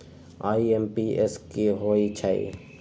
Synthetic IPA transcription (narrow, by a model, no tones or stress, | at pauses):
aːiempiːeskiɦoːit͡ʃʰaḭ